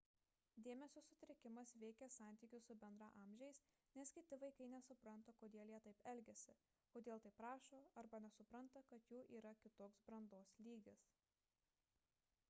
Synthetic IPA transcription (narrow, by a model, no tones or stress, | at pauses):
d̪ʲeːmʲɛsʲoːsʊt̪ʲɾʲɪkʲɪmɐsʋʲɛɪkʲɛsɑˑnʲt̪ʲiːkʲʊsːʊbʲɛnd̪ɾɑʔɑːmʲʒʲɛɪs | nʲɛskʲɪt̪ʲɪʋɐɪkɐɪnʲɛsʊpɾɐnt̪ɐkoːd̪ʲeːlˠjiɛt̪ɐɪpɛlʲɡʲɛsʲɪ | koːd̪ʲeːlˠt̪ɐɪpːɾɑːʃoːɐɾbɐnʲɛsʊpɾɐnˑt̪ɐkɐt̪juːʔiːɾɐkʲɪt̪oːksbɾɐnd̪oːslʲiːɡʲɪs